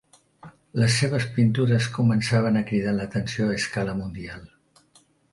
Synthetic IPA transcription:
ləsːeβ̞əspint̪uɾəskumənsaβ̞ənəkɾiðalət̪ənsioaːskaləmund̪ialˠ

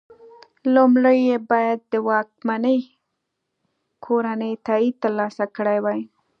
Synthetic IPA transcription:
lomɽəjebɑjad̪ːəwɑk̚manəj | kʰoɾanəjt̪ɑit̪əɾlɑsakəɽajwaj

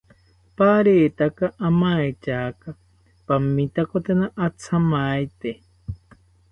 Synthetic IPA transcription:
paɾeːt̪akaʔamaet͡ʃaka | pamĩt̪akot̪enaʔat͡sʰamajt̪e

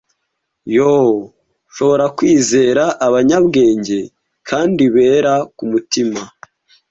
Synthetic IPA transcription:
jo | ʃo̞βo̞ɾakwiːze̞ːɾaʔːβaɲabɡe̞ːɲɟe̞ | kʰaːndiβe̞ːɾakumutima

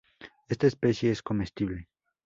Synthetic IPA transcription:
est̪aespesjeesko̞mest̪iβle

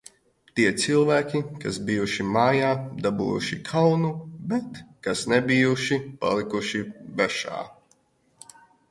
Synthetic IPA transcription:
t̪iɛt̪silˠvæːkʲikasbijuʃimaːjaːd̪abṵːjṵʃikʰawnubɛt̪kasnɛbijuʃipa̰lˠikuʃibɛʃa̰ː

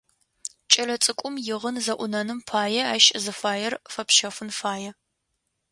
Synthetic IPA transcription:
t͡ʃʼɐlɐt͡sʼɨkʷʼʊmjɪʁənzɐʔʷʊnɐnɨmpʰaːjɛaːʃzɨfaːjɛrfɐpʃɐfʷʊnfaːjɛ

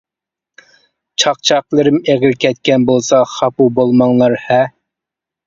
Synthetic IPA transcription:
t͡ʃʰɑqt͡ʃʰɑqlˠɨɾɨmeʁɪɾkʲʰɛt̪kʲɛnbolˠsɑχɑpubolˠmɑŋlˠɑɾhɛ

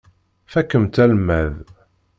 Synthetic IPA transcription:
fækːəmt̪ælmæð

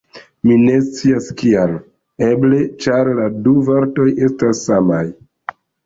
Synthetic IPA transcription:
mine̞st͡siaskial | eble̞t͡ʃaɾladuveɾto̞je̞stasːamaj

